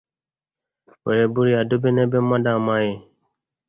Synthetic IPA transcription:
wɛ̰˨ɾɛ˨bu˦ɾi˦ja˨do˦be˦nɛ˦bɛ˦mã˦da˦˨ma˦je˨

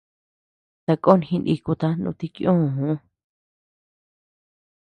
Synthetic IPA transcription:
t̪a˧ko˦˧nhĩ˧nʔḭ˧ku˧t̪a˧nṵ̃˧t̪i˧kjũ˦˨ũ˨˦

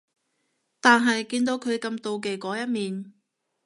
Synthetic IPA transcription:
t̪aː˨nɦɐ˨jkiː˧nt̪o˨˧wkʰɵ˨˧ɥkɐ˧mt̪o˨wk̬e˨jkɔː˨˥jɐ˥t̚miː˨n

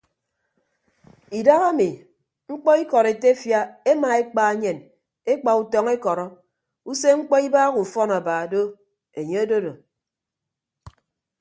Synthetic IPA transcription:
i˨da˦ɣa˦mi˨ | ŋ͡m̩˦k͡pɔ˦i˦kɔ˨ɾe˨te˦fja˦e˦ma˨e˦k͡pa˨e˦ɲe˨n | e˦k͡pa˨u˨tɔ˦ŋe˦kɔ˨ɾɔ˦ | u˦se˦ŋ͡m̩˦k͡pɔ˦i˦baː˦ɣu˨fɔ˦na˨baː˨do˦ | e˨ɲe˦o˦do˦do˨

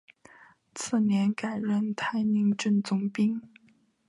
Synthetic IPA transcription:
t͡sʰɹ̩˥˩njɛ˧˥nka˨˩ɪɻə˥˩nt̪ʰa˥ɪni˧˥ŋʈ͡ʂə˥˩nt͡sʊ˧˥ŋpi˥ŋ

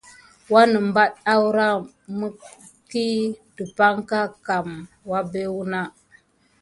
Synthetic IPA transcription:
wa˦nə˨mba˦ɗa˦wɾa˦ | mə˦ | ki˦də˨pa˦ŋka˦ka˨m | wa˦be˦wu˦na˦

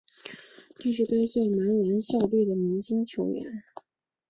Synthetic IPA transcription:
t̪i˥˩ʂ̬ɻ̩˥˩k̪a˥ɪɕɛ˥˩ma˧˥nɻa˧˥nɕɑ˥˧ʊly˥˩d̪ə˩mi˧˥ŋɕi˥ŋt͡ɕʰjo˧˥ʊɥɛ̰˧˥n

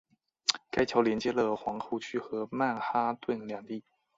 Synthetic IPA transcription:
ka˥ɪt͡ɕʰjɑ˧˥ʊljɛ˧˥nt͡ɕjɛ˥lə˨xwɑ˧˥ŋxu˥˩t͡ɕʰy˥xɤ˧˥ma˥˩nxa˥t̪we˥˩nljɑ˨˩ŋt̪i˥˩

